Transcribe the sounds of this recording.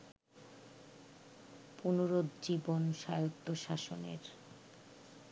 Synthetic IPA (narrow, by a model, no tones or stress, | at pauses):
punuɾod̪d͡ʑibonʃajot̪ːoʃaʃo̰nḛɾ